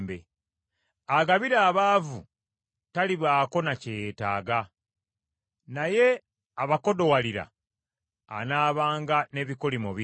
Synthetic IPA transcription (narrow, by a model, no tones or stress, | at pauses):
bḛ | aɡaβiɾaːβaːvu | taliβaːko̞nacejeːta̰ːɡa | naje̞ | aβako̞do̞waliɾa̰ː | naːβaːŋɡane̞βikolimoβi